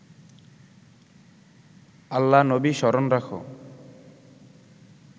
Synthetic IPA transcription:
alːanobiʃɔɾonɾakʰo̰

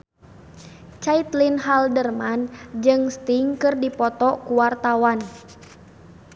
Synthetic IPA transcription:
t͡ʃait̪linɦaldərmand͡ʒɨŋst̪iŋkɨrdipɔt̪ɔkuwart̪awan

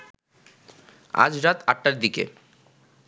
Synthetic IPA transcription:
a̰d͡ʑɾat̪aʈːaɾd̪ikḛ

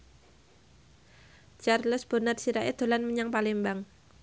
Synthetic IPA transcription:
t͡ʃarləsb̥ənarsiɾaʔed̪̥o̤lanməɲaŋpalɪmbaŋ

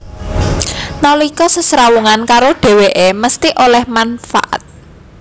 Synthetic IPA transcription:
nalikɔsəsɾawuŋankaɾoɖ̥e̤weʔeməst̪iʔolɛhmanfa̰ʔa̰t̪̚

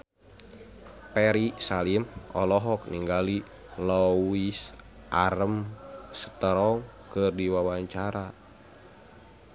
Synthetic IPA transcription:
pɛɾisalimʔɔ̰lɔɦɔk̚niŋɡali | lɔis | ʔaɾəmsə̥t̪əɾɔŋkɨrdiwawaɲt͡ʃaɾa

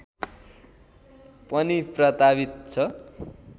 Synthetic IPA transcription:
pʌniprʌt̪abit̪̚t͡sʰʌ

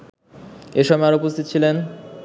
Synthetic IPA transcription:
eʃɔbeaɾoupost̪ʰit̪ot͡ɕʰilen

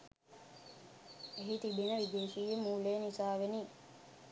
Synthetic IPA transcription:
eɦit̪ibinəʋid̪eːʃiːjemuːleːnisaːʋeni

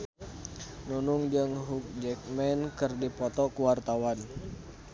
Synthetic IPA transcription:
nunuŋd͡ʒɨŋɦuk̚d͡ʒɛk̚mɛnkɨrdipɔt̪ɔkuwart̪awan

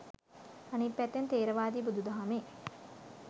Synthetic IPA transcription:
anipːæt̪ːent̪eːɾəʋaːd̪ibud̪ud̪ɐɦame

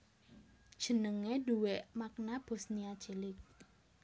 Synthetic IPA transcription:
ʒ̥ə̤nəŋeduweʔmak̚nab̥o̤sniḁt͡ʃelɪk̚

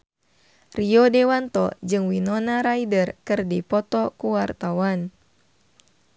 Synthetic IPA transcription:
riɔdɛwant̪ɔ̰d͡ʒɨŋwinɔnaɾaidərkɨrdipɔt̪ɔkuwart̪awan

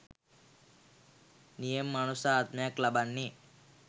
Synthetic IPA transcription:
nijemːanusaːt̪mɐjaklabanːi

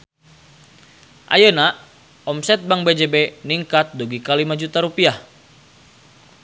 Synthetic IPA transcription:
ʔa̰jəna | ɔmsɛt̪̚baŋbed͡ʒebeniŋkat̪̚duɡikalimad͡ʒut̪aɾupiah

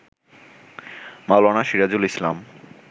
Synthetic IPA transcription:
malanaʃiɾad͡ʑulislam

